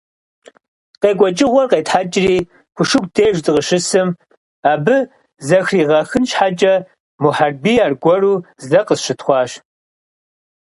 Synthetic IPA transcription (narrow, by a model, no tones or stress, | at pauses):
qeːkʷʼɔt͡ʃʼɪʁʷɔrqeːtħat͡ʃʼɪriː | kʷʰʊʂɨkʷdʰeːʒzɨqəʃɨsɨm | aːbɨ | zɐxriːʁɐxɨnʃħat͡ʃʼɐ | muħarbiːaːrɡʷɔruːzzɐqəsʃɨtʰχʷɑːʃ